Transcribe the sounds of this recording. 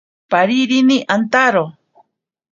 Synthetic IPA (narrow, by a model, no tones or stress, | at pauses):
paɾiɾiniʔant̪aɾo